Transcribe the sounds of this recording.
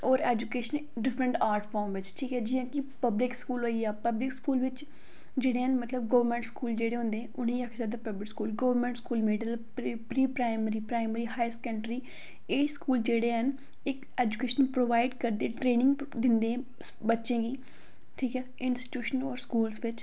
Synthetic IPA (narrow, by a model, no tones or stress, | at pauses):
ɔːɾɛːd͡ʒukeːʃən | ɖɪfɾəɳʈaːɾʈʰpʰɔːɾmʋɪt͡ʃʈʰiːkɛːd͡ʒɪjãːkɪpəblɪkskuːloːiaːpəblɪkskuːlʋɪt͡ʃ | d͡ʒeːɽeːɦənmət̪ləb̚ɡəʋəɾmɛ̃ːɳʈskuːld͡ʒeːɽeːɦʊ̃nd̪eːɛ̃ʔʊnẽːəkʰsaːd̪aːpəblɪkskuːlɡəʋəɾmɛ̃ɳʈskuːlmeːɖəl | pɾiːpɾaːɪməɾiːpɾaːɪməɾiːɦaːɪskə̃ɳʈɾiː | eːskuːld͡ʒeːɽeːɦən | ɪk | eːd͡ʒukeːʃənpɾoːʋaːɪɖkəɾd̪eːʈɾeːnɪ̃ŋɡ | d̪ɪnd̪ẽː | bətːʃẽːɡiː | ʈʰiːkɛːɪnsʈi̥ʈjuːʃənɔːɾskuːlsʋɪt͡ʃ